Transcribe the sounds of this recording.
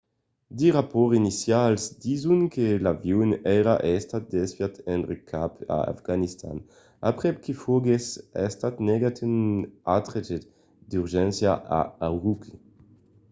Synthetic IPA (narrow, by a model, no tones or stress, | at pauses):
d̪iʁapɔʁinisjalsd̪izunkelavjunɛɾaʔɛst̪at̪̚d̪ɛspjat̪ʰɛnʁekʰapa̰a̰fɡ̥anist̪a̰n | apʁɛpkifoɡesɛst̪at̪nɛɡat̪ynat̪ʁet͡ʃe | d̪yʁʒɛnsjaa̰awʁukʰi